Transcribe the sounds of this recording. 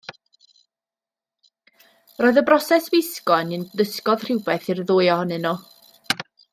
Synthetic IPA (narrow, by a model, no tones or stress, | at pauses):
roːðəbrɔsɛsvɪskɔnɨnðəskɔð̥r̥ɪwbɛθirðʊːjɔhɔnɨnɔ